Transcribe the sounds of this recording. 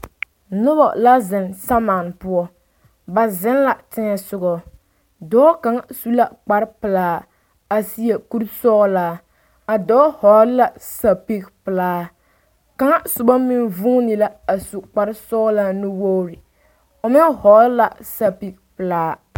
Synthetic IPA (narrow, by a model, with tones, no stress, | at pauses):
nʊ˦bɔ̰˨la˦zɪ˨nsa˦ma˨n˨pʊ˦ɔ˦ | ba˨zɪ˦n˦la˨tɪ˦ŋɛ˨sʊ˦ɡɔ˦ | dɔː˦ka˨ŋa˦˨su˦la˦k͡pa˨˦ɾpɨ˨laː˦ | a˨si˦je˨ku˦ɾsɔ˦laː˦ | a˨dɔː˦hɔ˨˦la˦˨sa˨pi˦kpɨ˨laː˦ | ka˨ŋa˦sʊ˨ba˦mi˦nvu˦ni˨la˦a˨su˨k͡pa˨ɾɪ˦sɔ˦la˦nɨ˦wo˦ɾi˨ | o˨mɪ˦hɔ˨˦la˨sa˨pi˦k̚pɨ˨laː˦